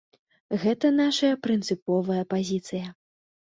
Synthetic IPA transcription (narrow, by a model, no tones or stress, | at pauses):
ɣɛt̪ɐnaʂɐjɐpɾɨnt̪sɨpɔvɐjɐpazʲit̪sɨjɐ